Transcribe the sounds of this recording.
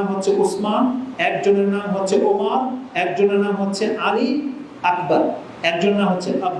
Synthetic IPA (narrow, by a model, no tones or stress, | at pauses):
mɦotːʰeʔusmanɛk̚d͡ʑoneɾnamɦotːɕʰeʔomaɾɛk̚d͡ʑoneɾnamɦotːɕʰeʔali | akʰbaɾ | ɛk̚d͡ʑonenːamɦotːɕʰea